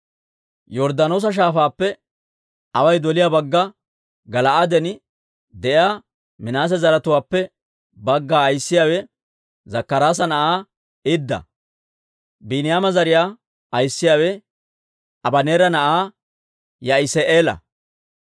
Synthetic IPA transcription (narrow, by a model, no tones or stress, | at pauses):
jɔɾd̪anoːs̬ɐʃ̬aːfaːpːɛ | ɐwɐjd̪ɔlɪjaːbɐɡːɐ | ɡɐlɐʔad̪ɛn | d̪ɛʔjaː | mɪnaːs̬ɛzɐɾɐt̪ʊwaːpːɛ | bɐɡːaːjsːɪjaːwɛ | zɐkːɐɾaːs̬ɐnɐʔaː | ɪd̪ːɐ̰ | binɪjaːmɐzɐɾɪjaː | ɐjsːɪjaːwɛ | ɐbɐneːɾɐnɐʔaː | jɐɪseʔeːlɐ̰